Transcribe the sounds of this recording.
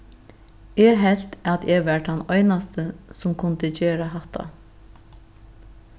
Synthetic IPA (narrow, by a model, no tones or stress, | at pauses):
ɛːɦɛl̥t̪at̪ɛʋɛɹhanɔʏnast̪əsʊmkʰʊnt̪ət͡ɕeːɾaɦaht̪ʰːa̰